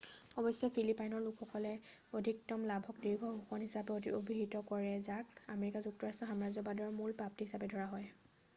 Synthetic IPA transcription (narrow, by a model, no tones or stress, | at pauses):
ɔbɔsɔpʰilipajnɔɹlukʰxɔkɔlɛ | odʱiktɔmlabʱɔk̚diɹɡʱɔɦuxɔnɦisapɛodiobʱiɦitɔkɔɹɛzakameɹikazuk̚tɔɹastʰɔɦamazɔbadɔɹmulpɹap̚tiɦisapɛdʱɔɹaɦɔj